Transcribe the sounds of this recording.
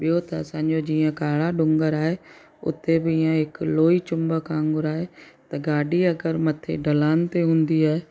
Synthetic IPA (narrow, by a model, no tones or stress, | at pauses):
ɓijot̪ɐɐsãːɲd͡ʑod͡ʑiːə̃kaːɭaɖʊ̃ŋɡəɾaːɦe | ʊ̰t̪ebɪiːãɦɪkloːit͡ɕʊ̃mbəkãːŋɡʊɾaːɦet̪ɐɡaːɖiɐɡəɾmɐt̪ʰḛɖɐlaːnɪ̆t̪eɦũːnd̪iaːɦe